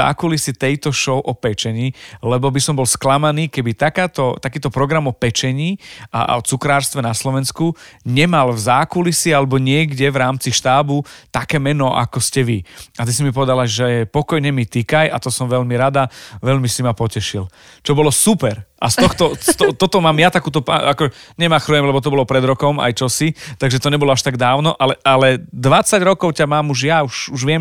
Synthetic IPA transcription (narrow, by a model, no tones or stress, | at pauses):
a̰ːkulisit̪ɛjt̪ɔʃɔʊʔɔpɛt͡ʃɛɲiːlɛbɔbisɔmbɔlsklamaniːkɛbit̪akaːt̪ɔt̪akiːt̪ɔpɾɔɡɾamɔpɛt͡ʃɛɲiːʔa̰ɔ̰t͡sukɾaːɾst̪ʋɛnaslɔʋɛnskuɲɛmalvzaːkulisialɛbɔɲɪɛɡɟɛʋɾaːmt͡siʃt̪aːbut̪akɛːmɛnɔʔa̰kɔscɛʋiat̪is̬imipɔʋɛd̪alaʒɛpɔkɔjɲɛmit̪ikaja̰t̪ɔsɔmʋɛʎmiɾad̪aʋɛʎmisimapɔcɛʃil | t͡ʃɔbɔlɔsupɛɾʔast̪ɔxt̪ɔst̪ɔt̪ɔt̪ɔmaːmjat̪akuːt̪ɔpaakɔɲɛmaxɾɔjɛmlɛbɔt̪ɔbɔlɔpɾɛd̪ɾɔkɔma̰jt͡ʃɔsit̪aɡʒɛt̪ɔɲɛbɔlɔaʃt̪aɡd̪aːʊnɔʔalɛʔalɛd̪ʋat͡saɟɾɔkɔʊcamaːmuʒjauʃuʒʋɪɛm